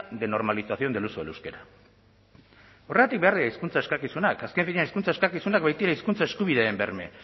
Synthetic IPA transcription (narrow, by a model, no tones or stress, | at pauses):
ðe̞no̞ɾmalisaθio̞nd̪e̞lusoḛlewske̞ɾa | o̞reat̪ik̚be̞aɾðiaiskunt͡sae̞skakisunakaske̞ɱfiɲeaniskunt͡saeskakisunak̚bajt̪ieɾaiskunt͡sae̞skuβiðeembḛɾme̞̰